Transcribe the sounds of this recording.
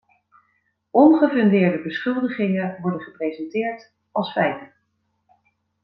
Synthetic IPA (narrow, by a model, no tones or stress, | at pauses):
ʔɔnχəvɵndɪːɹdəbəsχɵlˠdəχɪŋəʋɔɹdənχəprejzɛntɪːɹt | ɑlˠsfɛjtə